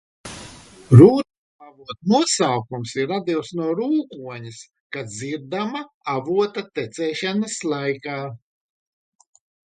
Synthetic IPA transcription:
ɾuːt̪u | avuɔt̪nuɔsawkumsiɾːad̪iwsnuɔɾuːkuɔɲis | kaziɾd̪ama | avuɔt̪at̪ɛt̪sɛːʃanaslˠajkaː

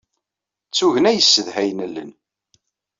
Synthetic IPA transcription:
t͡sːuʝənæjəsːəðhæjnəlːə̰n

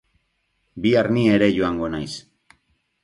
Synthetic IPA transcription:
biaɾnie̞ɾe̞ʝoaŋɡo̞najs

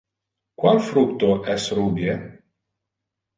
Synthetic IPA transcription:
kwalfɾuk̚t̪oʔɛsruːbje

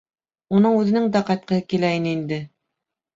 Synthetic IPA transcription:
unɤɴʉðɘ̆nɘŋd̪æqɑjt̪̚qɤ̆hɤkilæinɘind̪ɘ

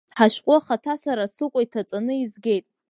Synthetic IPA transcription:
ħaʃʷᶣqʷʼʊaχatʰasaɾasɨkʷʼaitʰat͡sʼanɨizɡʲe̞jtʼ

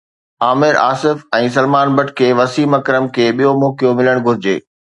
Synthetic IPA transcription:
aːmɪɾa̰ːsɪfɛ̃ːs̬ɐlmaːnbɐʈʰkʰeːʋɐsiːmɐkɾəmkʰeːɓijomɔːkijomɪləɽ̃ɡʱʊɾɪd͡ʑḛː

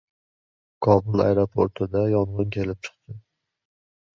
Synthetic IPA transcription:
kʰɒbʊlˠa̰jɾopʰoɾt̪ʰɪd̪ajɒɴʁɨnkʲʰe̞lɪp̚t͡ʃʰɨ̥qt̪ʰɪ

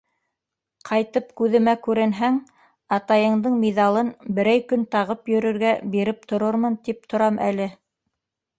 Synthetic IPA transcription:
qʰɑjt̪ɤp̚kʉðɘ̆mækʉɾɘ̆nɦæŋ | ɑt̪ɑjɤ̆ɴd̪ɤɴmiðɑlˠɤnbɘ̆ɾæjkɵnt̪ɑʁɤpjɵ̆ɾɵ̆ɾɡæbiɾɘp̚t̪ʰŏɾoɾmɤnt̪ip̚t̪ʰŏɾɑmʔæ̰lɘ

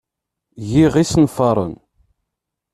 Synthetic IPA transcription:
ʝiʁisnfɑɾˤə̰n

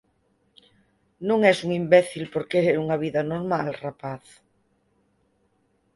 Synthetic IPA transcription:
nõŋɛsuŋimbɛθilpoɾkeɾeuŋaβ̞iðanoɾmalrapaθ

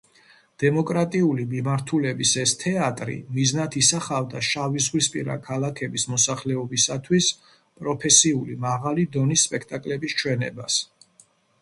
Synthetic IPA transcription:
d̪̥ɛmɔkʼɾat̪ʼiulimimaɾt̪ʰulɛbisɛst̪ʰɛat̪ʼɾḭmiznat̪ʰisaχavd̪aʃavizʁwispʼiɾa̰kʰalakʰɛbismɔsaχlɛɔbisat̪ʰwis | pʼɾɔpʰɛsiulimaʁalid̪ɔnisːpʼɛkʰt̪ʼakʼlɛbist͡ʃʰwɛnɛ̰bas

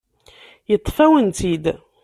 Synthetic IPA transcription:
jət̪ˤːfæwənt̪id̪

